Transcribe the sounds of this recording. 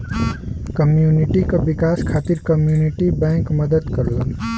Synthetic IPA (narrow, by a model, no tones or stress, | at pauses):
kəmjuniʈikobɪkaːskʰaːt̪iɾkəmjuniʈibɛ̃ːŋkməd̪əd̪kəɾlən